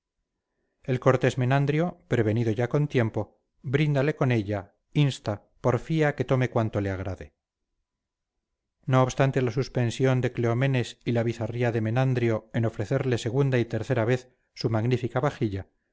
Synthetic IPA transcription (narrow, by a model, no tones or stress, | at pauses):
e̞lko̞ɾt̪e̞zme̞nand̪ɾjo̞pɾe̞β̞e̞niðo̞ʝako̞nt̪je̞mpo̞ | bɾind̪ale̞ko̞ne̞ʎa | inst̪a | po̞ɾfiake̞t̪o̞me̞kwant̪o̞leaɣɾaðe | no̞ːβst̪ant̪e̞lasuspe̞nsjo̞nd̪e̞kleo̞mẽ̞ne̞silaβ̞iθariaðe̞menand̪ɾjo̞eno̞fɾe̞θe̞ɾle̞se̞ɣ̞und̪ait̪e̞ɾθe̞ɾaβe̞θ | sumaɣnifikaβaxiʎa